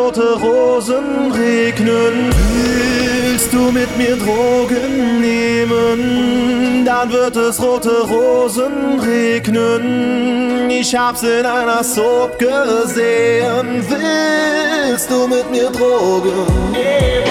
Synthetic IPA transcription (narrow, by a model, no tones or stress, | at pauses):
otəʁoːzənʁeːknənvɪlstd̥uːmɪtmiːdʁoːɡənːeːmən | danvɪʁtəsʁoːtəʁoːzənʁeːknən | ɪʃhaːbzɪnaɪnasopɡ̥əzeːənvɪ | lstduːmɪtmiːʁdʁoɡən